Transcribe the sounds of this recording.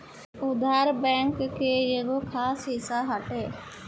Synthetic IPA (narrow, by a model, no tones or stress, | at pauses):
ʊd̪ʱaːɾbɛ̃ːŋkkʰːeːd͡ʒeɡokʰaːsɦɪsaɦəʈeː